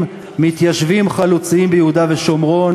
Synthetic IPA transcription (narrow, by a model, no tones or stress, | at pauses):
mit̪jaʃvimχalut͡siimbejehud̪ave̞ʃo̞mʁo̞n